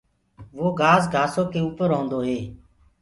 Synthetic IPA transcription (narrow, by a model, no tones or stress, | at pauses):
ʋoːɡaːzɡʱaːsoːkeːuːpəɾɦõːnd̪oːɦeː